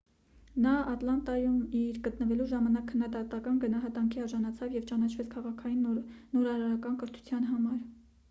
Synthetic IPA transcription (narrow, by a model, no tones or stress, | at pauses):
nɑɑt̪lɑnt̪ɑjumiɾɡət̪nəvɛluʒɑmɑnɑkʰːənːɑd̪ɑt̪ɑkɑnɡənɑɦɑt̪ɑŋkʰiɑɾʒɑnɑt͡sʰɑvjɛvt͡ʃɑnɑt͡ʃʰvɛt͡sʰkʰɑʁɑkʰɑjinːɔɾɑɾɑɾɑkɑnkəɾt̪ʰu̥t͡sʰjɑn̪ɦɑmɑɾ